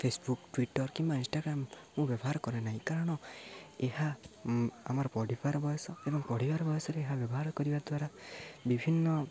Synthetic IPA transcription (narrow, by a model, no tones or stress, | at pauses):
pʰesbukʈwiʈɔɾkimbaĩnsʈaɡɾamː | ũbjɔbɔɦaɾɔkɔɾenaɦĩkaɾɔɽ̃ɔeha | a̰maɾɔpɔɽipaɾɔbɔjɔsɔebɔŋpɔɽ̤ibaɾbɔjɔsɔɾeːɦabjɔbɔɦaɾɔkɔɾibad̪waɾabibʱinːɔ